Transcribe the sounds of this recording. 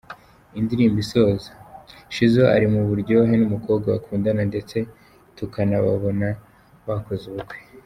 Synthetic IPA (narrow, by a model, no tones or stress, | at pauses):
indiɾiːmbiso̞zaʃizo̞ʔa̰ɾimuβuɾɟo̞ɦenumuko̞ːbɡaβakuːndanande̞t͡se̞ | tukanaβa̰βo̞na | βako̞ziβuɡwe̥